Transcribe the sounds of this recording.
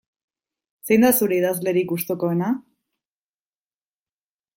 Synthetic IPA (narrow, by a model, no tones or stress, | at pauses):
se̞jnd̪asuɾe̞iðazle̞ɾikust̪oko̞ena